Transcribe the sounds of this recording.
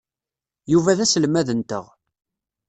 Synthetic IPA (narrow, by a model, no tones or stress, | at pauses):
juvæðæsəlmæðənt̪ə̰ʁ